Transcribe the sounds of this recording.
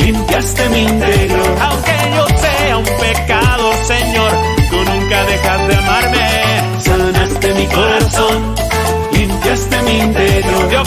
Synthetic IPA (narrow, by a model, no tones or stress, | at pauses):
limpjast̪emint̪eɾjoɾawŋke̞ʝo̞seaumpe̞kaðose̞ɲo̞ɾ | konũŋkaðe̞xazðeamaɾme | sanast̪emiko̞ɾaso̞n | limpjast̪emint̪eɾjoðo